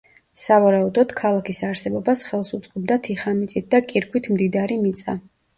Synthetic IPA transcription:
savaɾaud̪ɔd̪̥kʰalˠakʰisaɾsɛbɔbasχɛlˠsut̪sʼqʼɔb̚d̪at̪ʰiχamit̪sʼit̪̚d̪akʼiɾɡʰwit̪ʰmd̪id̪aɾimit̪sʼa

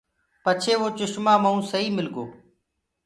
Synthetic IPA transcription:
pət͡ʃʰeːʋoːt͡ʃʊʃmaːməũːsəiːmɪlɡoː

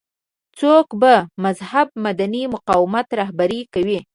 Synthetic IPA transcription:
t͡sokbamazhab̚mad̪animʊqɑwɪmat̪ɾaɦbaɾikawi

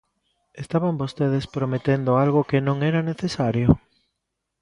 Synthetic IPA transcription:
est̪aβambost̪eð̞espɾomet̪end̪oalɣokenõŋɛɾaneθesaɾjo

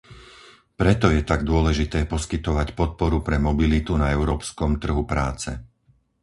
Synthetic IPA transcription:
pɾɛt̪ɔjɛt̪aɡd̪ʊɔlɛʒit̪ɛːpɔskit̪ɔʋacpɔt̪̚pɔɾupɾɛmɔbilit̪unaɛʊɾɔːpskɔmt̪r̩ɦupɾaːt͡sɛ̰

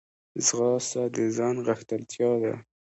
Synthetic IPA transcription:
zɣɑsad̪əzɑnɣaxt̪alt̪ʰjɑd̪a̰

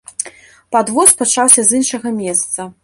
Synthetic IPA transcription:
pad̪vɔspat͡ʂawsʲɐzɨnʂɐɣɐmʲɛst̪sɐ

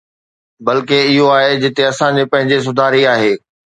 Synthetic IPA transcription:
bɐlkeɪɦoaːɦed͡ʑɪt̪eɐsãd͡ʑepɐ̃ɦɪ̃ɲd͡ʑes̬ʊd̪ʱaːɾiaːɦeː

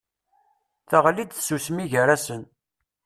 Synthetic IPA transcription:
θaʁlid̪θsusmiʝəɾæsən

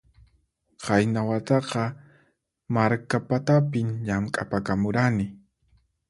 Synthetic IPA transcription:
qajnawat̪ɑqɑ | maɾkapat̪apɪmʎamkʼapakamʊɾanɪ

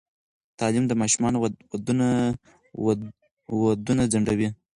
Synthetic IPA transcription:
t̪ɑlimd̪əmɑʃumɑnowad̪un | wad̪unad͡zaɳɖawi

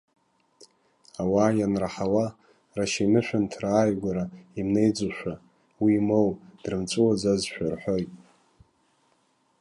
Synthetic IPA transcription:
awaːjanraħawa | raʃajnɨʃʷᶣantʰraːjɡʷaɾaimne̞jd͡zuʃʷᶣa | wiːmowd̥rɨmt͡sʷʼuwad͡zazʃʷᶣarħʷo̞jtʼ

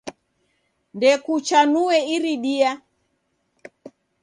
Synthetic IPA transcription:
ndɛkut͡ʃanuɛiɾiɗia

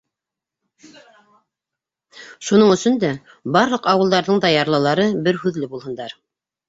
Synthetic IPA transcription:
ʃunɤɴɵ̆sɵnd̪æ | bɑɾlˠɤqɑwɤ̆lˠd̪ɑɾðɤɴd̪ɑjɑɾlˠɑlˠɑɾɤbɘɾhʉðlɘbulˠhɤ̆nd̪ɑɾ

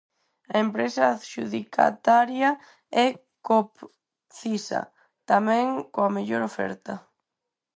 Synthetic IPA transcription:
ɐempɾesɐʃuðikʰa̰t̪aɾjɐ | ɛ | kop | θisɐ̰ | t̪amɛ̃ŋkoameʎoɾofɛ̰ɾt̪ɐ

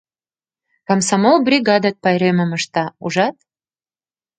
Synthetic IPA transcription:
kamsamolˠbrʲiɡɑd̪at̪̚pɑjɾemə̆mə̆ʃt̪ɑuʒɑt̪̚

